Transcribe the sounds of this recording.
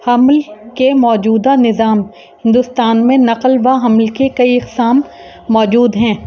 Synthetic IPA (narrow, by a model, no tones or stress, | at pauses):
hɐmlkemɔːd͡ʒuːd̪anɪzaːm | hɪ̃nd̪ʊst̪aːnmẽnɐqəlʋaɦɐmlkekɐiɪqsaːmː | ɔːd͡ʒuːd̪ɦɛ̃ː